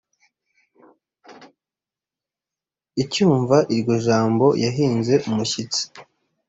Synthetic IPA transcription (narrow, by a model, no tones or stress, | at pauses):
icuːɱvaʔiɾɟo̞ʒaːmbo̞jʔaɦiːnze̞ʔumuçit͡si̥